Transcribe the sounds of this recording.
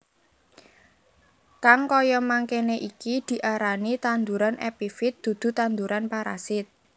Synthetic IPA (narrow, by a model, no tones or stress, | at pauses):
kaŋkɔjɔmaŋkeneʔikid̪̥i̤ʔaɾanit̪and̪uɾanʔɛpifɪt̪̚d̪̥ṳd̪̥ṳt̪and̪uɾanpaɾa̰sɪt̪̚